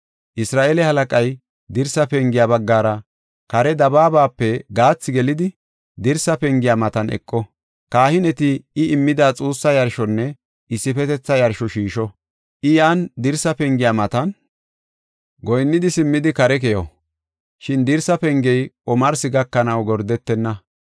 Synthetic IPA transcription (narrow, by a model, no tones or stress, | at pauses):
ʔɪsɾaːʔeːlɛhɐlɐkʼɐj | d̪ɪɾsɐpɛŋɡɪjaːbɐɡːaːɾɐ | kɐɾɛd̪ɐbaːbaːpːɛɡaːt͡sːɪɡɛlɪd̪ɪ | d̪ɪɾsɐpɛŋɡɪjaːmɐt̪ɐnʔɛ̰kʼːɔ | kaːhɪnɛt̪ɪɪʔɪmːɪd̪aːt͡sʼuːsːɐjɐɾʃɔnːɛ | ɪsːɪpɛt̪ɛt͡sːɐjɐɾʃɔʃiːʃɔ | ʔɪjaːnd̪ɪɾsɐpɛŋɡɪjaːmɐt̪ɐn | ɡɔjnːɪd̪ɪsɪmːɪd̪ɪkɐɾɛk̬ɛjɔ | ʃɪnd̪ɪɾsɐpɛŋɡɛjʔɔmɐɾsɪɡɐkːɐnɐwɡɔɾd̪ɛt̪ːɛnːɐ